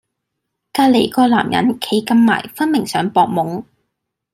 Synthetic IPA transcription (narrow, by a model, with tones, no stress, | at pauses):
kaː˧le˨˩jkɔː˧la̰ː˨˩mjɐ̰˨˥nkʰe˨˧˥jkɐ˧mːa̰ː˨˩jfɐ˥nmɪ˨˩ŋsœː˨˥ŋpɔː˧k̚mʊ˨˥ŋ